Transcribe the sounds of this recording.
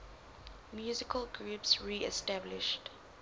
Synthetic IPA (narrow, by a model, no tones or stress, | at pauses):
mjuːzɪkʰəlɡɹupsɹiːɛstablɪʃt